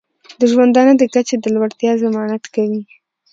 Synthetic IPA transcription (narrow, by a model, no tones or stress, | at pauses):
d̪əʒwand̪ɑnəd̪əkat͡ʃed̪əlwaɽt̪jɑzamɑnat̪kawi